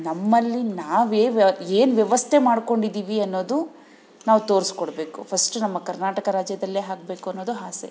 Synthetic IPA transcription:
nɐmːɐlːinaːʋeːeːnʋjɐʋɐst̪ʰemaːɽko̞ɳɖid̪iːʋiɐnːo̞ːd̪u | naːʋt̪o̞ːɾskɔɽbe̞ːkupʰɐsʈunɐmːɐkɐɾnaːʈɐkɐɾaːd͡ʒjɐd̪ɐlːeːɦaːk̚beːkuɐnːoːd̪uɦaːsḛ

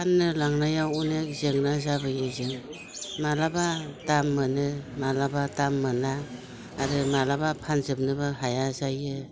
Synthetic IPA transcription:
panːɯlaŋnajawunek̚zeŋnazabɯjɯzɯŋ | malabatamːɯnɯmalabatamːɯnaː | ɾɯmalabapʰanzɯp̚nɯbaɦajazajɯ

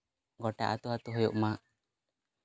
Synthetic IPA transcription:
ɡɔʈa̰ʔat̪uɦat̪uɦɔjɔʔmaʔ

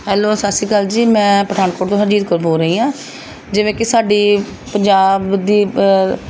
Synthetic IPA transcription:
ɦɛːloːsəsiːkəld͡ʒiːmɛ̃ːpɾəd̪aːnkoːʈt̪õɦəd͡ʒiːd̪kəɾboːɾəɦiːãː | d͡ʒɪʋẽːkɪsaːɖiː | pəɲd͡ʒaːbd̪iː

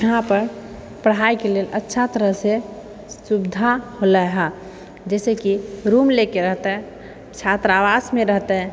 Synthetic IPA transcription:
jəɦãpəɾ | pəɽ̤ɦaikeleːlʔətːʃʰat̪əɾəɦse | sʊbd̪ʱaholaɦa | d͡ʒɛːsekiɾumlekeɾəɦt̪eɦɛ̃ | t͡ʃʰat̪ɾaʋasmẽɾəɦt̪eɦɛ̃

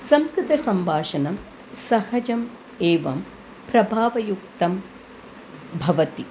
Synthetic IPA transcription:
sɐmskɾɪt̪ɐsɐmbʱaːʃɐnɐm | sɐhɐd͡ʒɐm | eːʋɐ̰m | pɾɐbʱaːʋɐjuk̚t̪ɐm | bʱɐʋɐt̪i

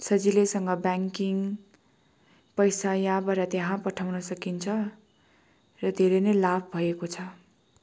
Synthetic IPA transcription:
sʌd͡zilesʌŋɡʌbaŋkiŋ | pʌjsajãbʌɾʌt̪jaɦãpʌʈʰawnʌsʌkint͡sʰʌ | rʌd̪ʱeɾʌjnʌjlabʱbʱʌekot͡sʰʌ

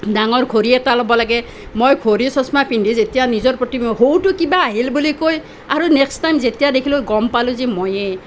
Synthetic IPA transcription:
daŋɔɹkʰoɾiɛtalɔbɔlaɡɛ | mojkʰoɾisɔsmapinɖʱizetijanizɔɹpɹɔtimɦowtʊkibaːɦilbulikoj | aɾunekstajmzetijadekʰiloɡɔmpalʊzimoje

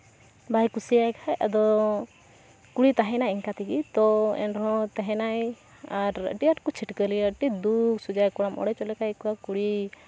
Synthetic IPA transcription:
bʱajkusijajkʰaja̰d̪ɔ | kuɽit̪aɦɛnajiŋkat̪iɡit̪ɔɛ̰nɾɔɔ̃t̪ɛɦɛnaj | aɾʈijaʈkɔt͡ʃʰiʈkəliəʈid̪uksud͡ʒajkɔɽ̃amɔ̰ɽɛt͡ʃɔlɛkajkuakuɽi

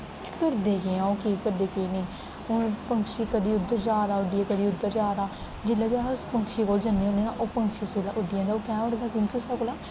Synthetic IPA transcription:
kəɾd̪eːkeːãːoːkiːkəɾd̪eːkiːneː | ʊnpəŋkʃiːkəd̪iːʊd̪ːəɾt͡ʃaːɾaːʊɖiãːkəd̪iːʊd̪ːəɾt͡ʃaːɾaː | d͡ʒɪlːəɡaːʊspəŋkʃiːkoːld͡ʒənd̪iõneːaːʔoːpəŋkʃiːseːlaːʔʊɖɪjãːd̪aːoːkɛ̃ːʊɽɡ̪aːkjõːŋkioːsəkolaː

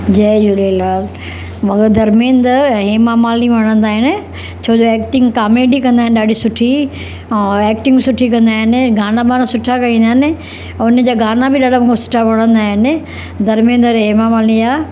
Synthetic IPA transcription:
d͡ʑɐːd͡ʑʊlelaːl | mɐɡəɾd̪ɐɾmẽːnd̪əɾɦeːmamaːlĩʋɐɽ̃ə̃nd̪aːɦɪnɪ̆ | t͡ɕʰoːd͡ʑoɛːkʈɪ̃ŋɡkaːmeːɖikɐ̃nd̪aːɦɪ̃nɪɗaːɖisʊʈʰĩ | eːkʈɪ̃ŋɡsʊʈʰikɐ̃nd̪aːɦɪnɪ̆ɡaːnabaːnãsʊʈʰakɐĩːnd̪aːɦɪnɪ̆ | ʊn̆d͡ʑaːɡaːnabɪɗaːɖamũːkʰesʊ̥ʈʰaʋɐɽ̃ə̃nd̪aːɦɪnɪ | d̪ɐɾmẽːnd̪əɾɦeːmamaːlĩaː

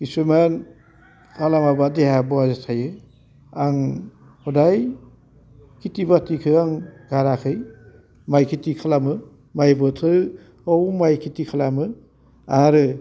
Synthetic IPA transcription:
ɡisuman | kʰalamabadeɦabɔazatʰajɯ | aŋ | hɔdaj | kʰitibatikʰɯaŋɡaɾakʰɯj | majkʰitikʰalamɯ | majbɯtʰɯ | ɔwmajkʰitikʰalamɯ | aɾɯ

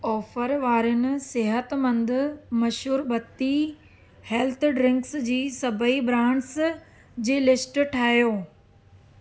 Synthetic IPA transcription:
ɔːfəɾʋaːɾʊnɪ̆sɪɦət̪mɐ̃nd̪ʊ̆mɐʃɦuːɾbɐt̪ːi | hɛlt̪ʰɖɾɪ̃ŋksd͡ʑiːsɐbʱəibɾãːɳɖs | d͡ʑeːlɪsʈʈʰaːjoː

